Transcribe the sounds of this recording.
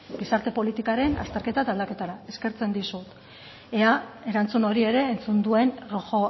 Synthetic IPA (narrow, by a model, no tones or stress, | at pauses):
ɡisaɾt̪e̞po̞lit̪ikaɾe̞na̰st̪e̞ɾke̞t̪at̪ald̪ake̞t̪aɾae̞ske̞ɾt͡se̞nd̪isut̪ | e̞ae̞ɾant͡suno̞ɾie̞ɾe̞ːnt͡sund̪ue̞nroʝo̞